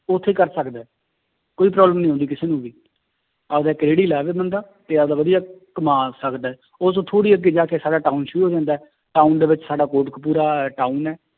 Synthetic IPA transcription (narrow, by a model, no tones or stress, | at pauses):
ʊt̪ʰːeːkəɾsəkd̪aːɛ | koːiːpɾaːbləmnəĩːɦɔ̃ːnd̪iːkɪseːnũːʋiː | ad̪aːkɾeːɽiːlaːʋeːbənd̪aː | t̪eːad̪aːʋəd̪ijaːkəmãːsəkd̪aːɛː | osõːt̪ʰoːɽiːəɡeːd͡ʒaːkeːsaːɖaːʈaːuːnʃʊɾuːɦoːd͡ʒãːnd̪aɛ | ʈaːund̪eːʋɪt͡ʃsaːɖaːkoːʈkpuːɾaːʈaːuːnɛː